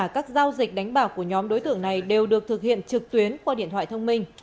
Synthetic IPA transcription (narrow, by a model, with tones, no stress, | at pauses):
a˧˩kaː˦˥k̚zaː˧wzi˨˩k̟̚ɗa˨˦jŋ̟ɓaː˧˩wku˧˩əɲɔ˨˦mɗo˨˦jt̪ɨ̰˧˩əŋna˨˩jɗe˨˩wɗɨ˨˩ək̚t̪ʰɨ˨˩k̚hḭ˧˨ənt͡ɕɨ˨˩k̚t̪wi˨˦ənt͡ɕaː˧ɗḭ˧˨ənt̪ʰwa̰ː˧˨t̪ʰə˧wŋ͡mmï˧ŋ̟